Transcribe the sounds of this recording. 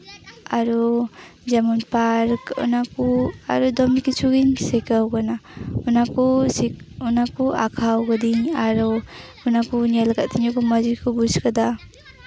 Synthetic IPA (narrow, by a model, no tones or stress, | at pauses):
aɾud͡ʒamunpaɾkṵnakua̰ɾudɔmikit͡ʃuɡiŋsekawɡanaunakusiunakːua̰kʰawɡadiŋaɾɔ | unakunelɡat̚tʰinokumazikʰubuskada